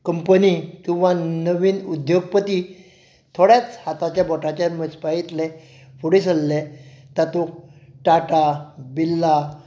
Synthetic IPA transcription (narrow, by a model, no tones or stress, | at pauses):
kəmpənikĩw̃ʋanəʋiːnud̪ʱjoɡ̚pət̪i | t̪ʰoɽjat͡shat̪at͡ɕjabɔʈʰat͡ɕjaɾməspait̪le | fʰuɽisəlːet̪at̪okʈaʈabilːa